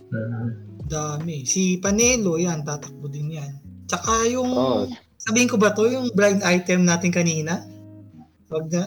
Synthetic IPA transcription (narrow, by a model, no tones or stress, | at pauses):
ad̪aːmɛsipɐnɛːlo̞jant̪aːt̪ɐk̚bod̪ɪnjant͡ʃɐkajʊŋ | sɐbiːhɪnkobɐt̪o̞jʊŋbɾajd̪ʔajt̪ɛmnaːt̪ɪnkɐniːnɐ | wɐɡ̚nɐ